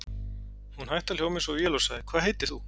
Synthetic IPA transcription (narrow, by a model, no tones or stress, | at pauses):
hunhajht̪aljowmɪsɔvjɛlɔsaɣðɪkʰvaːðɦejt̪ɪ̥ɾ̥θu